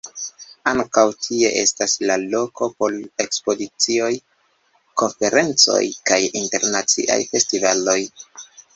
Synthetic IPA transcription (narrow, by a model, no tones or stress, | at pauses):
aŋkawtʰieʔe̞̰staslalo̞kʰo̞po̞le̞kspo̞dit͡sio̞j | ko̞nfe̞ɾʔe̞nt͡so̞̰jkajinte̞ɾnat͡sḭʔa̰jfe̞stivalo̞j